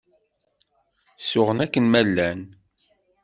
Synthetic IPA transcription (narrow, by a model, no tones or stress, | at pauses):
sʊʁənækːənmælːæn